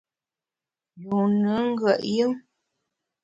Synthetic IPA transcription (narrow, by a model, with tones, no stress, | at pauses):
ju˨nɨ˨˦ŋ̩˦ɡə˨ʔjə˦ŋ